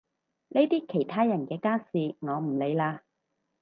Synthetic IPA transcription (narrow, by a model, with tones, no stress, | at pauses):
ne˥t̪iː˥kʰe˨˩jt̪ʰaː˥jɐ˨˩nkɛː˧kaː˥siː˨˧ŋɔː˨˧m̩˨˩le˨˧jlaː˧